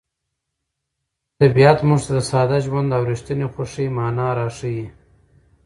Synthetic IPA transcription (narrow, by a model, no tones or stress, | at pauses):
t̪abijat̪muʐt̪ad̪əsɑːd̪aʒwand̪awɾiʃt̪ənexaʂimɑːnɑːɾɑʂiji